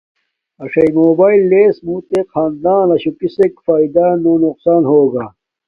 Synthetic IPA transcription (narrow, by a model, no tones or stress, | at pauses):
ɐʂɐjmoːbaːilːeːsmuːt̪eqʰaːnd̪aːnɐɕukisekfaːid̪anoːnuqsaːnhoːɡaː